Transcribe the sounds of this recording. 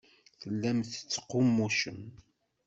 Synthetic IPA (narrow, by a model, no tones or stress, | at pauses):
θəlːæmθə̥t͡sːə̥qʊmːuʃəm